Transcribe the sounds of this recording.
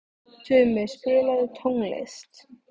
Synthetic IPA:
t̪ʰʏmɛðspɪːlaðʏt̪ʰowŋlḛst̪

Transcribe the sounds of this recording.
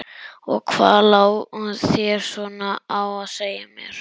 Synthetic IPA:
ɔ̰ɣkʰva̰ːðlaːwhunsjɛɾ̥sɔnaawaðseːjamjɛ̰ɾ̥

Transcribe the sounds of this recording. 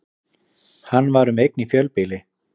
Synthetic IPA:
hanːvaɾʏmejk̚nifjœlpɪlɪ

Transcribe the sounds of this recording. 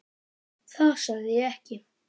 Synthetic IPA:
θasaðɪɛhcɪ

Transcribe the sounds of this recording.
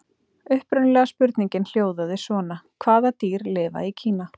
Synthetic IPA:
ʏhpɾʏnlɛɣaspʏɾt̪niɲcɪnl̥joːwðaðɪsvɔːnakʰvaːðat̪iːɾlɪːva̰icʰiːna

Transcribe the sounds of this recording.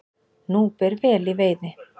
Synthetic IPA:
nuːpɛɾvɛːliveːjðɪ

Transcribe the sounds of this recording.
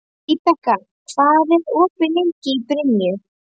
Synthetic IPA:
it̪aka | kʰvaːðɪɾɔpɾɪleɲcɪipɾɪnjɪ

